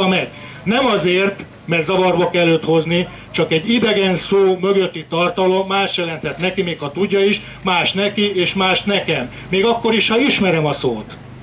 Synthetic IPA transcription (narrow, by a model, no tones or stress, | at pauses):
mɛɟ | nɛmɒzeːrt̪ | mɛrt̪zɒvɒrbɒkɛlːøːt̪ho̞zni | t͡ʃɒkɛɟːid̪ɛɡɛnsoːmø̞ɡøt̪ːit̪ɒrt̪ɒlo̞mːaːʃt̪jɛlɛnt̪hɛt̪nɛkimeːkʰɒt̪uɟːɒiʃ | maːʃt̪nɛkieːʃmaːʃt̪nɛkɛmːeːɡɒkːo̞ɾiʃhɒiʃmɛɾɛmɒsoːt̪